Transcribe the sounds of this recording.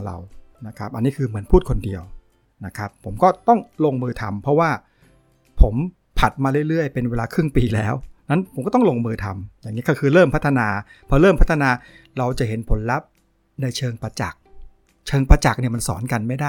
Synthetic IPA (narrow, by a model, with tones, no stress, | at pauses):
ɾa̰˧wna˦˥kʰa˦˥p̚ʔa˧nːiː˦˥kʰɯː˧mɯ˩˦ənpʰuː˥˩t̪̚kʰo˧ndi˧əw | na˦˥kʰɾa˦˥pʰːo˩˦mkɔː˥˩t̪ɔ˥˩ŋlo˧ŋmɯː˧t̪ʰa̰˧mpʰɾɔ˦˥waː˥˩ | pʰo˩˦m | pʰa˨˩t̪̚maː˧ɾɯ˥˩əjɾɯ˥˩əjpe˧nweː˧laː˧kʰɾɯ˥˩ŋpiː˧lɛ̰ː˦˥wna˦˥npʰo˩˦mkːt̪ɔ˥˩ŋlo˧ŋmɯː˧t̪ʰa˧mjaː˨˩ŋːiː˦˥kɔ˥˩kʰɯː˧ɾɤː˥˩mpʰa˦˥t̪ʰːa˧naː˧pʰɾɔ˦˥ɾɤː˥˩mpʰa˦˥t̪ʰːa˧naː˧ | ɾa˧wt͡ɕa˨˩ɦe˩˦npʰo˩˦nla˦˥p̚ | na˧jt͡ɕʰɤː˧ŋpa˧t͡ɕa̰˨˩k̚ | t͡ɕʰɤː˧ŋpɾaː˧t͡ɕa˨˩k̚ni˥˩ɐma˧nsɔ̰ː˩˦nka˧nma˥˩jda˥˩j